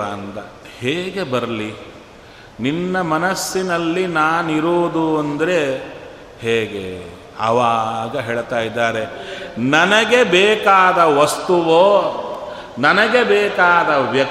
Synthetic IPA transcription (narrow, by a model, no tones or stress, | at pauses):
aːnd̪ɐ | heːɡe̞bɐɾɐli | ninːɐmɐnɐsːinɐlːinaːniɾoːd̪uɐnd̪ɐɾe̞ | heːɡḛ | ɐʋaːɡɐɦeːɭt̪aːjid̪ːaːɾenɐnɐɡe̞bɛːkaːd̪ɐʋɐst̪uʋoː | nɐnɐɡe̞bɛːkaːd̪ɐʋjɐk